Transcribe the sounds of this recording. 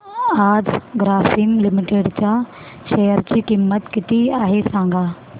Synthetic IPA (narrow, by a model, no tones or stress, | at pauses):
aːd͡ʑɡɾaːfɪmlɪmɪʈeːɖt͡ɕa | ʃejəɾd͡ʑiːkɪmːət̪kɪt̪iaːɦesãːŋɡʱaː